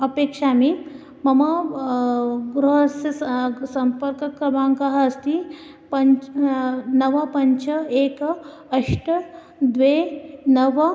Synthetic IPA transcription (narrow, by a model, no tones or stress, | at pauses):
ɐpekʂami | mɐmɐ | ɡɾuɦsɐsɐmpəɾkɐkɾɐmaŋkaɦɐːst̪i | pəɲ | nɐʋapəɲt͡ʃʰəek | əʂʈə | d̪ʋenəʋɐ